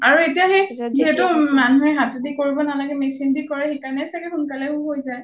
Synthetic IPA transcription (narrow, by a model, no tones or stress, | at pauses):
aɹuetijaɦeziɦɛtʊmanuɦɛɦatzedikoɹibɔnalaɡɛmɛksindikɔɹɛxekanɛsakɛxunkalɛʊ̃ɦojzaj